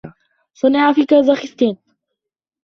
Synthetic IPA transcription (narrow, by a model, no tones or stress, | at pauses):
sˤɑnaʕafiːkazˤɑxɪst̪iːn